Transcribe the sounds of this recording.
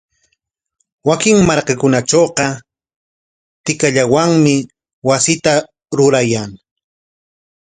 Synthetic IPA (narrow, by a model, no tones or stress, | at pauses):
wakɪŋmaɾkɑkʊnat͡ʃoːqɑ | t̪ɪkaʎawaŋmɪ | wasɪt̪a | ɾʊɾajaŋ